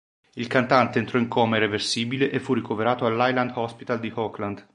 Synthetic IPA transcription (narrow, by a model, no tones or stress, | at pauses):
ilkant̪ant̪eːnt̪ɾɔiŋkʰɔːmeiɾeversiːbileʔefːurːikoveɾaːt̪oalːajland̪hɔspi̥t̪ald̪ihɔkland̪